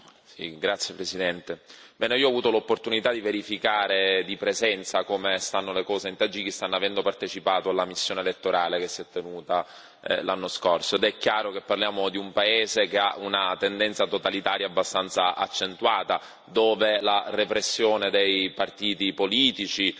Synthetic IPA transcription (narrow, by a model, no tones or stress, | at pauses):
sḭɡɾat̪sjepɾesid̪ɛnt̪ebɛːneiːoavuːt̪olopːort̪unit̪ad̪iveɾifikaːɾed̪ipɾezɛnt̪sakomest̪anːolekɔːzeint̪ad͡ʒikist̪anːoavɛnd̪opart̪et͡ʃipaːt̪oalːamisːjoːnelet̪ːoɾaːlekesːiɛt̪ːenuːt̪a | lanːoskorsoed̪ɛkːjaːɾok̟epːarljaːmod̪iumpaeːzek̟eaʔunat̪end̪ɛnt̪sat̪ot̪alit̪aːɾjaːbːast̪ant̪saʔa̰t͡ʃːent̪waːt̪a | d̪oːvelarepɾesːjoːned̪ejpart̪iːt̪ipoliːt̪it͡ʃi